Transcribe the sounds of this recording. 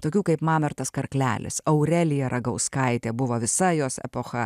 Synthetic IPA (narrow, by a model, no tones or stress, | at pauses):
t̪oːkʲuːkɐɪpmɑːmʲɛɾt̪ɐskɐɾklʲæ̰ːlʲɪ̰sɐʊɾʲɛlʲɪjɛɾʔɐɡɐʊskɐɪt̪ʲeːbʊʋoːʋʲɪsɐjoːsɛ̰poːxɐ